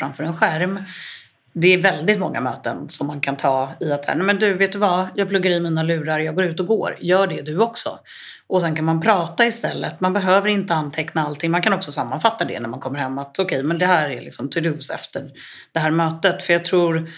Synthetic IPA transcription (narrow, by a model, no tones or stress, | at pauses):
fɾamfœːɾɛnɧæɾm | d̪ɛæɾvɛld̪ɪt̪mɔŋːa̰mø̰ːt̪ə̰nsɔmːankʰant̪ʰɑːɪat̪sæ̰ːnɛmɛnd̪ɵveːt̪d̪ɵvajɑːɡ̚plɵɡːaɾɪmiːnalʉ̟ːɾaɾjɑːɡoːɾʉ̟ːt̪ɔɡo̰ːɾjœːɖɛd̪ɵɔksɔ̰ | ʔɔsɛnkanmanpʰɾɑːt̪aɪst̪ɛlːə̰t̪manbɛɦøːvəɾɪnt̪əanːt̪ʰɛknaalt̪ʰɪŋːmankʰanɔksɔsamːanfat̪ːad̪ɛ̰næɾmankʰɔmːəɾhɛmːat̪ɔkʰɛjmɛnd̪ɛɦæːɾælɪ̰ksɔmt̪ʰɵd̪ʉːsɛ̰ft̪əɾ | ɖ̥̪ɛhæːɾmøːt̪ət̪fœɾjɑːɡ̚t̪ʰɾuːɾ